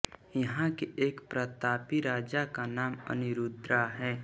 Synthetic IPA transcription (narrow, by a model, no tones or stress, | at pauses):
jɐɦãkeʔeːkpɾət̪aːpiɾaːd͡ʒakanaːmə̰nɪɾud̪ɾaɦɛː